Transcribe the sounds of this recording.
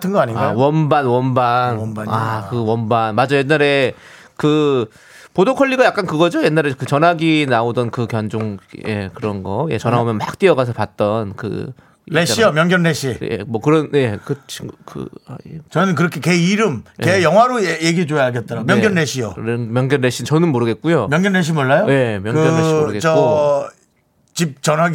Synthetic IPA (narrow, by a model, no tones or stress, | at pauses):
tʰɯnɡʌaɲiŋɡawʌnbanwʌnbanaakɯwʌnbanmad͡ʑʌjenːaɾe̞ | kɯ | podokʰʌʎːiɡajak͈ankɯɡʌd͡ʑoje̞nːaɾekɯt͡ɕʌnaɡinaodʌnkɯkjʌnd͡ʑoŋje̞̰kɯɾʌnɡʌjet͡ɕʌnaomjʌnbak̚t͈iʌɡas̬ʰʌpat̚t͈ʌnkɯ̰ | ḭleɕijʌmjʌŋɡjʌnɾeɕʰijḛmwʌkɯɾʌnje̞kɯt͡ɕʰikɯ̰a̰t͡ɕʌnɯnkɯɾʌkʰekeiɾɯmjejʌŋɦwaɾoejeɡit͡ɕojaaɭɡet̚t͈ʌɾaomjʌɡjʌnɾeɕʰijo̰mjʌŋɡjʌnːe̞ɕʰint͡ɕʌnɯnmoɾɯɡe̞t̚k͈ujomjʌŋɡjʌnɾeɕ̬ʰimwʌɭːajoje̞mjʌŋkɡɯjʌeɕʰioɾɯɡett͡ɕʌko | t͡ɕip̚t͡ɕʌnaɡ